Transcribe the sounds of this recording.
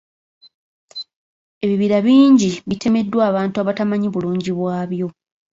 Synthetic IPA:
e̞βiβiɾaβiːɲɟiβitʰe̞me̞dːwaːβaːntuaβatamaɲiβuluːɲɟiβwaːβjo̞

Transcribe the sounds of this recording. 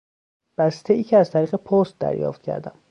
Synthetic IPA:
b̥æst̪ʰeiːcʰeæzt̪ʰæɾiːɣepʰost̪̚d̪æ̰ɾjɒ̰ːft̪̚cʰæ̰ɾd̪æm

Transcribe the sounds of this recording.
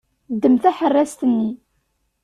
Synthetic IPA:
d̪ːəmθæħərːæst̪ənːi

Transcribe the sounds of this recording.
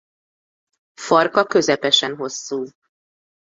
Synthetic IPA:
fɒrkɒkø̞zɛpɛʃɛnɦo̞sːuː

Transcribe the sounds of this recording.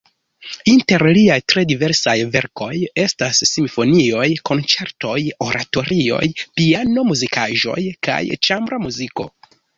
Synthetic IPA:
inte̞ɾliajtɾe̞dive̞ɾsajve̞ɾko̞je̞stasːimifo̞nio̞jkʰo̞nt͡se̞ɾto̞jo̞ɾʔato̞ɾio̞̰jpiano̞muzikʰaʒo̞̰jka̰jt͡ʃambɾamuziko̞̰

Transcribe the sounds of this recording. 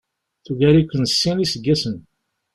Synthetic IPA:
θuʝæɾikʷːənsːinisəɡːæsən

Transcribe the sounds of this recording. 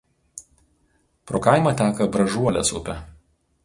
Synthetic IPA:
pɾoːkɑˑɪmɐt̪ʲæːkɐbɾɐʒuɔlʲɛ̰sʊ̰pʲɛ

